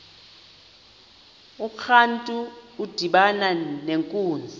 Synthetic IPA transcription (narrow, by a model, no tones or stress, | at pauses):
ukʰantʼuːd̥ʱiɓananeŋkʼuːnd͡zʱi